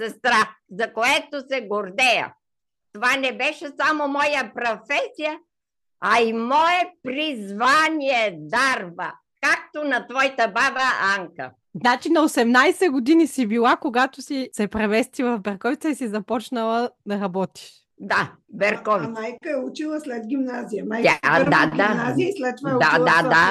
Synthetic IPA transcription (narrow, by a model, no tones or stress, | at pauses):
sɛst̪ɾafzɐkoɛt̪osɛɡoɾd̪ɛjɐ̰ | t̪ovanɛbɛʃɛsamomɔjəpɾofɛsijə | ɐimɔɛpɾizvanʲiɛd̪aɾbə | kak̚t̪onɐt̪vɔjt̪ɐbabəaŋkə̰ | znat͡ʃinɐosɛmnajsɛɡod̪inisibilˠakoɡat̪osisɛpɾɛvɛst̪ivˠɐvfbɛɾkɔvit̪səisizɐpɔt͡ʃnɐlˠɐd̪ɐɾɐbɔt̪i̥ʃ | d̪a | bɛɾkɔvimajkəɛut͡ʃilˠəslɛd̪ɡʲimnazijajt̪ʲad̪ad̪aislɛt̪̚t̪ːoaɛd̪aad̪a